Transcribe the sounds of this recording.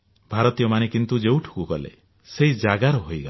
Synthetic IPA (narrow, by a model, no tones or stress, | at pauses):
bʱaɾɔt̪ijɔmanekint̪ud͡ʒewʈʰu̥kukɔlḛ | seid͡ʒaɡaɾɔɦojɡa